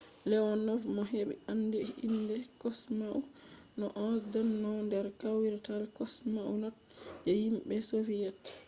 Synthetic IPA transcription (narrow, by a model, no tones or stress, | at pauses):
lɛwɔnɔvmɔɦeɓḭanːdɛḭndɛkɔsmaʔu | nɔʔɔsdanːɔwndɛɾkawiɾtalkɔsmaʔunɔt̚ | d͡ʒɛhimɓɛsovijɛt